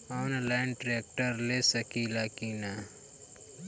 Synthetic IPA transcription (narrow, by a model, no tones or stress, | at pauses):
ɔːnlaːɪnʈɾeːk̚ʈəɾlesəkilakina